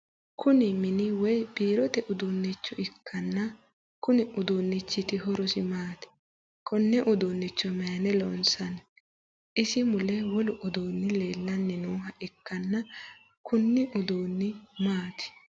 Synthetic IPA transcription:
kʰʊnɪmɪnɪwɔjbiːɾɔt̪ɛʔʊd̪oːnːɪt͡ʃːɔɪkʰːɐnːɐ | kʊnɪʔʊd̪oːnːɪt͡ʃːɪt̪ɪɦɔɾɔsɪmaːt̪ɪ̥ | kʰɔnːɛʔʊd̪oːnːɪt͡ʃːɔmɛjɐnɛlɔ̰nsɐn | ʔɪsɪmʊlɛwɔlʊʔɔd̪oːnːɪle̞ːlːɐnːɪnuːɦɐʔɪkːɐnːɐ | kʰʊnːɪʔʊd̪oːnːɪmaːt̪ɪ̥

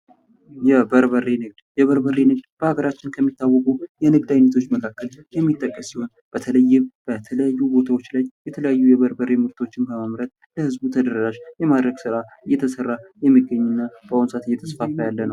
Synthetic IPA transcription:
jɛbəɾβərenɨɡd̪jɛβəɾbəre̞nɨɡ̚d̪b̥əhaɡəɾat͡ʃːɪnkʰəmːit̪ːawːəkʼujɛnɨɡd̪ajnːət̪ʰot͡ʃːməkʰakːəljɛmːit̪ʼːəkʼːəsiho̞n | b̥ət̪ʰələjːɪmb̥ət̪ʰələjajːubo̞t̪ʰawo̞t͡ʃːlajjɛt̪ʰələjajːujɛβəɾbəɾemɨɾt̪ʰo̞t͡ʃːɪnbəməmɾət̪̚ | ləhɨzbut̪ʰəd̪əɾɾaʃjɛmad̪ɾəɡsɨɾaɨjːɛt̪ʰəsərːajɛmːiɡːəɲːunːab̥əonsʼat̪ɨjːɛt̪ʰəsfafəjalːənəww

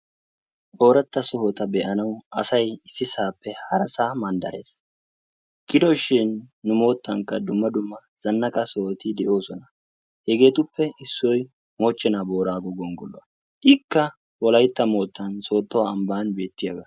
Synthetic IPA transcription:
bo̞ːɾɐt̪ːɐsɔhɔt̪ɐbɛʔɐnɐwʔɐsɐjɪsːɪsaːpːɛhɐɾɐsaːmɐnd̪ɐ̰ɾe̞̰ːs | ɡ̥ɪd̪ɔʃɪnːʊmo̞ːt̪ːɐŋkːɐd̪ʊmːɐd̪ʊmːɐz̥ɐnːɐkʼɐsɔhɔt̪ɪd̪ɛʔo̞ːsɔnɐ | hɛɡe̞ːt̪ʊpːɛɪsːɔj | moːt͡ʃːɛnabo̞ːɾaːɡɔɡɔŋɡɔlɔ̰wɐ | ʔɪkːɐ | wɔlɐjt̪ːɐmo̞ːt̪ːɐnso̞ːt̪ːɔwaɐmbaːnbe̞ːt̪ːɪjɐɡɐ

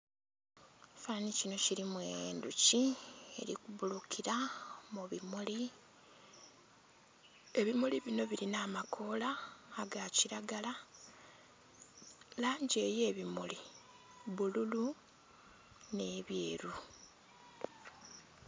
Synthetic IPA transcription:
fanicino̞ciɾimwenducie̞̰ɾikuβulukʰiɾamuβimuli | e̞βimuliβino̞βiɾinaːmakʰo̞laːɡaciɾaɡala | laːɲɟe̞ːje̞ːβimuli | βululu | ne̞βje̞ːɾu

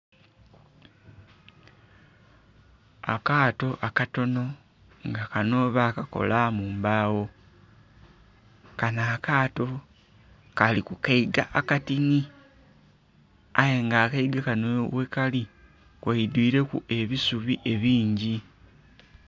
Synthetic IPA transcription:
a̰kaːto̞ʔakato̞no̞ | ŋɡakano̞βakako̞̰lamuːmbaːwo̞ | kanaːkaːto̞ | kalikukaiɡaʔakatini | ajeŋɡaːkaiɡakanowekali | kwaidwiːɾe̞kue̞βisuβiʔe̞βiːɲɟi

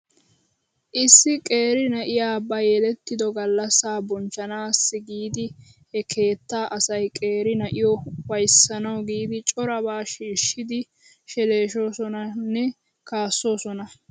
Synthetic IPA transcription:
ʔɪsːɪkʼe̞ːɾɪnɐʔɪjaːbɐjɛlɛt̪ːɪd̪ɔɡɐlːɐsaːbɔnt͡ʃːɐnaːsːɪɡiːd̪ɪ | hɛkʰe̞ːt̪ːaːʔɐsɐjkʼe̞ːɾɪnɐʔɪjɔwɐjsːɐnɐwɡiːd̪ɪt͡ʃʼɔɾɐβaːʃiːʃːɪd̪ɪ | ʃɛleːʃo̞ːsɔnɐnːɛ | kaːsːo̞ːsɔnɐ

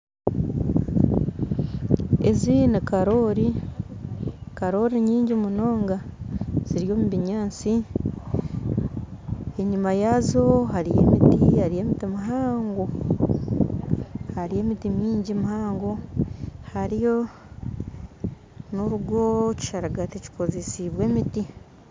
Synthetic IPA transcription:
ḛzinikaɾo̞ːɾi | kaɾo̞ɾiɲiːɲɟimuno̞ːŋɡaz̥iɾijo̞ːmuβiɲaːnt͡si | e̞ɲumajazo̞haɾije̞̰mitihaɾije̞ːmitimiɦaːŋɡo | haɾije̞ːmitimiːɲɟimuhaːŋɡo̞ | haɾijo̞ | noɾuɡo̞ci̥ʃaɾaɡatici̥ko̞zesiβwe̞ːmiti

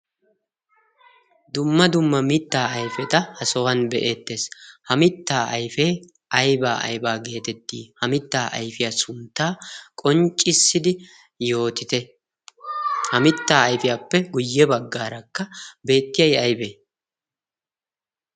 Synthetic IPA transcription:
d̪ʊmːɐd̪ʊmːɐmɪt̪ːaːɐjfɛt̪ɐhɐsɔwɐnbɛʔe̞ːt̪ːe̞ːshɐmɪt̪ːaːɐjfeː | ʔɐjbaːʔɐ̰jbaːɡe̞ːt̪ɛt̪ːiːhɐmɪt̪ːaːʔɐ̰jfɪjaːsʊnt̪ːaːkʼɔnt͡ʃʼːɪsːɪd̪ɪ | jo̞ːt̪ɪt̪ɛ | hɐmɪt̪ːaːɐjfɪjaːpːɛɡʊjːɛbɐɡːaːɾɐkːɐbe̞ːt̪ːɪjɐjɐjbeː

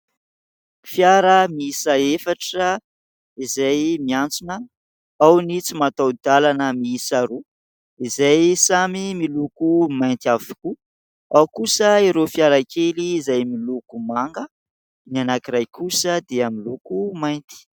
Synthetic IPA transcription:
fjaɾəmiisaefaʈ͡ʂə | izajmiant͡sunə | awnit͡simat̪awd̪alanəmiisaɾu | izajsamimilukumajnt̪iaviku | awkusəiɾofjaɾakʰeliːzajmilukumaŋɡə | nianakiɾajkʰusəd̪eamilukumajnt̪i̥

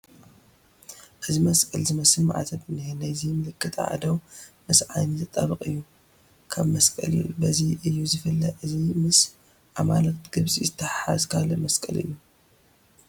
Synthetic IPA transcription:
ʔɨzimɐskʼɐlzɨmɐslma̰ʕa̰t̪ʰɐbɨnɨhɨnajzimɨlɨkːɨt̪ʼa̰ʕa̰d̪ɐwmɨsʕa̰jnizɨt̪ʼːɐβɨkʼɨjːu | kʰaβmɐskʼɐ̰l̰bɐziʔɨjːuzɨfɐlːɐʔɨzimɨs | ʔamalɐkt̪ɡ̥ɨβsʼizɨt̪ʰːɐħħazkʰalːɐmɐskʼɐ̰lɨ̰jːu

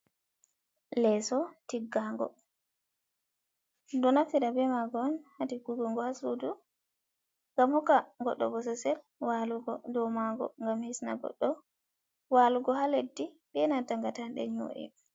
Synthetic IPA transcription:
lɛsɔtiɡːaŋɡɔ̰ | dɔnafiɾabɛmaɡɔnhadiɡuɡɔŋɡɔhasudu | ŋɡamhɔkaŋɡɔɗːɔ̰bɔsɛsɛl | waluɡɔdɔmaɡɔ̰ŋɡamhisna̰bɔ̰ɗːɔ | waluɡɔhaledːi | bɛnataŋɡatanɗɛ̰ɲo̰ʔḭ

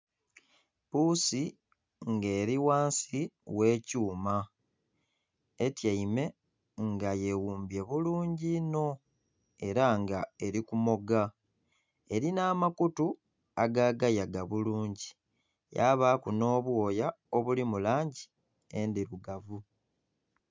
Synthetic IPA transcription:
pusi | ŋɡe̞ːɾiwaːnsiwe̞ːcuːma | etjaime̞ | ŋɡaje̞wuːmbje̞βuluːɲɟino̞ | e̞ɾaŋɡae̞ɾikumo̞ɡa | e̞ɾinaːmakutu | aɡaːɡajaɡaβuluːɲɟi | jaβakuno̞ːβwo̞ːja | o̞βulimulaːɲɟi | endiɾuɡavu

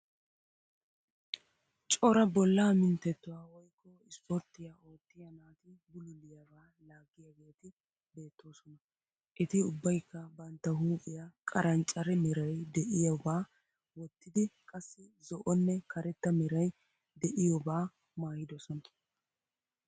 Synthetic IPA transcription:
t͡ʃʼɔɾɐbɔlːaːmɪnt̪ːɛt̪ːʊwaːwɔjkːɔɪspɔɾt̪ːɪjao̞ːt̪ːɪjɐnaːt̪ɪbʊlʊlɪjavaː | laːɡːɪjɐɡe̞ːt̪ɪ | be̞ːt̪ʰːo̞ːsɔnɐ | ʔɪt̪ɪʊbːɐjkːɐbɐnt̪ːɐɦuːkʼɪjakʼɐɾʔɐnt͡ʃʼɐɾɛmɛɾɐjd̪ɛʔɪjɔbaː | wɔt̪ːɪd̪ɪkʼɐsːɪzɔʔɔnːɛkʰɐɾɛt̪ːɐmɛɾɐj | d̪ɛʔɪjɔbaː | maːjɪd̪ɔsɔnɐ

